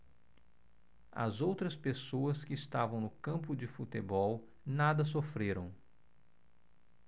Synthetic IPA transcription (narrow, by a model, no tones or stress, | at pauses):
ɐ̰zowt̪ɾɐspesoɐskɪːst̪avɐ̃w̃nʊkɐ̃mpʊd͡ʒɪfut̪ebɔw | nad̪ɐs̬ofɾeɾɐ̃w̃